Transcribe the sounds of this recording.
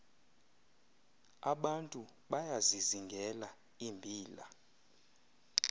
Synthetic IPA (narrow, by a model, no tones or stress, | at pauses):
aɓantʼu | ɓajaziziŋɡʱɛla | imbʱiːla̰